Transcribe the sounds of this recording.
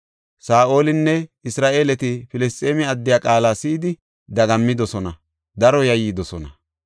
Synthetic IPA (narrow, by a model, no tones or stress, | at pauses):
saːʔo̞ːlɪnːɛɪsɾaːʔe̞ːlɛt̪ɪfɪlɛst̪ʼeːmɪɐd̪ːɪjaːkʼaːlaːsiːd̪ɪ | d̪ɐɡɐmːɪd̪ɔsɔnɐ | d̪ɐɾɔjɐjːɪd̪ɔsɔnɐ̰